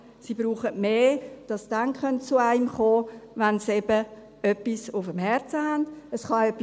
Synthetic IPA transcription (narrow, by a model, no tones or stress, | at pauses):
sibɾuːχətmeːd̥ɑsd̥anχœntt͡suaɪmχoːvansɛb̥ə | œpːisʊfəmhɛɾt͡səhand̥əsχɑœpːi